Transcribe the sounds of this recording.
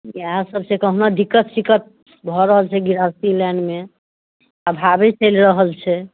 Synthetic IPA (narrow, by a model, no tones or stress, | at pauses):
iaɦãsəbsekəɦnad̪ikːət̪sikət̪̚ | bʱɔɾəɦəlt͡ʃʰɛɡiɾasilɛɳɖme | abʱabɛt͡ʃəjlɾəɦəlt͡ʃʰɛ